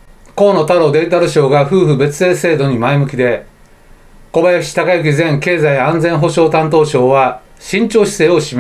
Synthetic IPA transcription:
ko̞ːnot̪aɾo̞ːd̪e̞it̪aɾɯ̟ɕo̞ːɡaɸɯ̟ːɸɯ̟be̞t͡sɨ̥e̞ːse̞ːd̪o̞ɲ̟imaimɯ̟kʲid̪e̞ | ko̞bajaɕʲi̥t̪akajɯk̬ʲizẽŋke̞ːzaiãnd͡zẽ̞ɰ̃ɦo̞ɕo̞ːt̪ãnt̪o̞ːɕo̞ːβa | ɕĩɲ̟t͡ɕo̞ːɕi̥se̞ːo̞ɕima

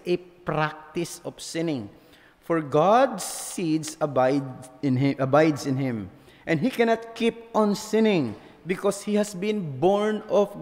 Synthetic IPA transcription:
ʔɛpɹak̚t̪ɪsɔfsɪ̃nɪ̃ŋ | fɔɹɡad̪sːid̪sabajdɪ̃nɪʔɐbajd̪sɪ̃nhɪ̃m | ʔɛ̃ndhikɛnat̪̚kip̚ʔɔ̃nsɪ̃nɪ̃ŋ | bɪkɔshihæsbɪ̃nbɔɹnɔf

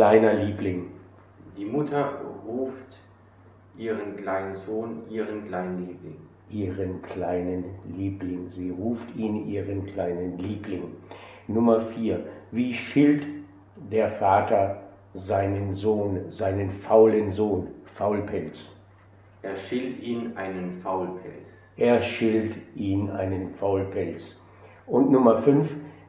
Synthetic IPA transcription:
klaɪnɐliːplɪŋ | d̥iːmʊtʰɐʁuːft | ʔiːʁənkl̥aɪnənzoːnʔiːʁənkl̥aɪnənliːplɪŋ | ʔiːʁənkʰl̥aɪnənliːplɪŋziːʁuːftiːnʔiːʁənkl̥aɪnənliːplɪŋ | nʊmɐfiːɐviːʃɪlt | d̥eːɐfaːtɐ | zaɪnənzoːnzaɪnənfaʊlənzoːnfaʊlpʰɛlt͡s | ʔeːɐʃɪltiːnʔaɪnənfaʊlpʰɛlt͡s | ʔeːɐʃɪltʔiːnʔa̰ɪnənfaʊlpʰɛlt͡s | ʔʊntnʊmɐfʏnf

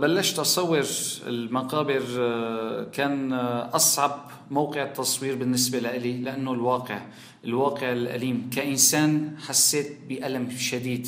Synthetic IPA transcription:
balːaʃt̪ʔɑsˤɑwːɪɾɪ̰lmaqɑːbɪɾ | kaːnʔɑsˤʕɑb | mawqɪʕɪt̪ːɑsˤwiːɾbɪnːɪsbalaʔɪlilɪʔanːolwɑːqɪʕ | ʔɪlwɑːqɪʕɪlʔa̰liːmkaʔɪnsaːnħasːeːt̪̚bɪʔalamʃad̪iːd̪

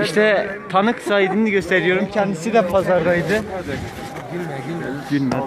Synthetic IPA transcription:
iʃt̪ʰɛt̪ʰanɯksajid̪iniɟø̞st̪ʰeɾijo̞ɾumcʰɛnd̪isid̪ɛpʰazaɾlˠajd̪ɯ | n

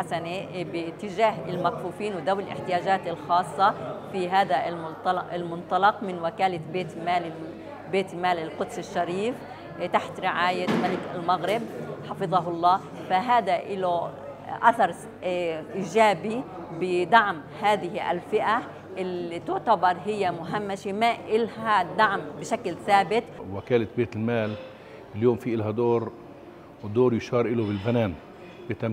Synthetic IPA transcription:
asanebɪt̪ːɪʒaːɦɪlmakfuːfiːnwɪd̪awɪlʔɪ̰ħt̪ɪjaːʒaːt̪ɪlxɑːsˤːɑfiɦaːd̪almʊt̪ɑlʔɪlmʊnt̪ˤɑlɑqmɪnwakaːlabeːt̪maːlɪ | beːt̪maːlɪlqʊd̪sɪʃːaɾiːf | t̪aħt̪ɾɪʕaːjamalɪkɪ̰lmaɣɾɪb̚ħɑfɨðˤɑɦʊlˤːɑː | faɦaːd̪aʔɪlo | ʔaθɑɾˤ | ʔiːʒaːbi | bɪd̪ɑʕm | haːðɪɦiʔa̰lfɪʔa | ʔɪlit̪ʊʕt̪abɑɾˤɦɪjːamʊɦamːaʃimaʔɪlhad̪aʕmbɪʃaklθaːbɪt̪wakaːlabeːt̪ɪlmaːl | ɪljoːmfiʔɪlɦad̪oːɾ | wd̪oːɾjʊʃɑːɾˤʔɪlobɪlbanaːn | b̥ɪt̪am

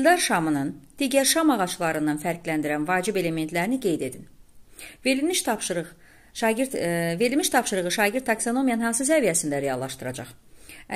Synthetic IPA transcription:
lʲd̪ɑɾʃɑmɯnɯnd̪̥iːɟæɾʃɑmɑʁɑt͡ʃlˠɑɾɯnɑnfæɾɡlænd̪iɾænvɑːd͡ʒibe̞le̞me̞nt̪ʰlæɾiniɡe̞jd̪e̞d̪in | veimiʃp | ve̞ɾilmiʃt̪ʰɑpʃɯɾɯʁɯʃɑːɟiɾd̪ːʰɑksono̞mijɑnnhɑnsɯs̬ævijæsind̪æɾe̞jɑlˠːɑʃt̪ɯɾɑ̰d͡ʒɑ̰χ

